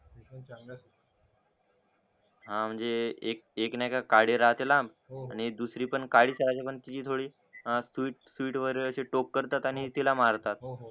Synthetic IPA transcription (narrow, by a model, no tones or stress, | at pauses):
ɦãm̤əɳd͡zeek̚eknakakaɽeɾaɦt̪elab | aɽ̃id̪usɾiːpəɳkaɽiːsəɾat͡ɕapəɳt̪it͡ɕiːt̪ʰoɽiː | sʋiːʈ̚sʋiːʈʋəɾəɕeʈokːəɾt̪at̪aɽ̃it̪ilamaɾt̪at̪̚